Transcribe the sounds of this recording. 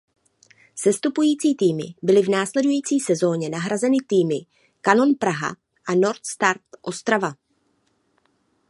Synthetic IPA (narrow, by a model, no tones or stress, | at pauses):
sɛst̪upujiːt͡siːt̪iːmɪ̰bɪlɪvnaːslɛdujiːt͡siːsɛzo̞ːɲɛnaɦɾazɛnɪt̪iːmɪ | kano̞npɾaɦa̰ | ʔano̞ɾt̪st̪aɾt̪ʔost̪ɾava